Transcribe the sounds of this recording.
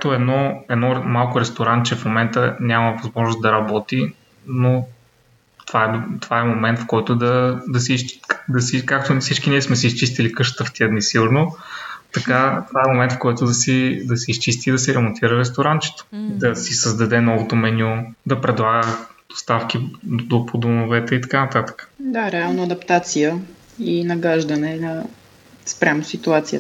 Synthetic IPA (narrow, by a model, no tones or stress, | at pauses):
t̪oɛd̪nɔɛd̪nɔɾmalˠkʊɾɛst̪oɾant̪t͡ʃɛfmomɛnt̪ənʲaməvɐzmɔʒnosd̪ɐɾɐbɔt̪i | no | t̪ovaɛt̪ovaɛmomɛnt̪fkɔjt̪od̪ɐd̪ɐs̬id̪ɐsikakt̪ofsit͡ʃkiniɛsmɛsiːst͡ʃist̪ilikɤʃt̪ə̥t̪əft̪iəd̪nisiɡʊɾnot̪ɐkat̪ovaɛmomɛnt̪fkɔjt̪ʊd̪ɐsid̪ɐsɛist͡ʃist̪id̪ɐsɛɾɛmont̪ʰiɾəɾɛs̬t̪oɾant͡ʃɛ̥t̪o̥d̪ɐsisəzd̪ɐd̪ɛnɔvot̪omɛnʲod̪ɐpɾɛd̪lˠaɡəd̪o̥st̪afk̟id̪opod̪omovɛt̪ɛit̪ɐ̥kanɐt̪at̪ə̥kə̥d̪aɾɛalˠnoɐd̪ɐpt̪at̪sijə | inɐɡaʒd̪ɐnɛnɐ | spɾʲʔamosit̪uat̪siə